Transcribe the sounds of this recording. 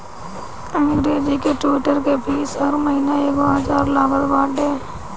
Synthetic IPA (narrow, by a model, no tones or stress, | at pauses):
ɛ̃ːŋɡɾeːd͡ʒikeʈɪɪʈəɾkebiːsɦəɾməɦinaeːɡoəd͡ʒaːɾlaːbəɾbaːʈẽː